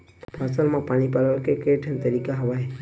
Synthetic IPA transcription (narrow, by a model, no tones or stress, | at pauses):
pasəlmãpaɽ̃ipaləkekeʈʰənt̪əɾikaɦɐʋaɦe